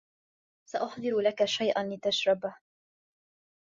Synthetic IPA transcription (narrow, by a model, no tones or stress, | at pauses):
saʔʊħd̪ˤɨɾlakaʃajʔanlɪt̪aʃɾˤɑbah